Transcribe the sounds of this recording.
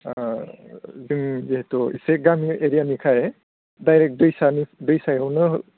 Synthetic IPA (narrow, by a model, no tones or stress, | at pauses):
zɯŋziɦɛtɔiseɡamiʔeɾijanikʰaj | dajɾɛk̚dɯjsanidɯjsajawnɯ